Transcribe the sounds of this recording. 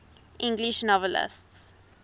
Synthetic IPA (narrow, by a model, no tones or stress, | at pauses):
ʔɪ̃ŋɡliʃnɔvəlɪ̰sts